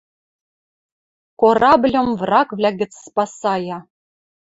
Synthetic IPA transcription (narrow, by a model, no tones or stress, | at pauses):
korɑblʲŏmvrɑkvlʲæɣʲɘ̆t͡sspɑsɑjɑ